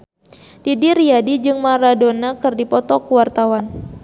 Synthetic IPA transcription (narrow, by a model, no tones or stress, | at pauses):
d̥idiɾiadid͡ʒɨŋmaɾadonakɨrdipɔt̪ɔkuwart̪awan